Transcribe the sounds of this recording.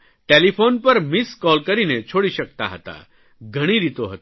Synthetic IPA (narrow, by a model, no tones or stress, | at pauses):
ʈelifonpəɾmiskɔlkəɾinet͡ɕʰoɽiɕəkt̪a̰ɦət̪a̰ | ɡʱəɽ̃iːɾit̪oɦət̪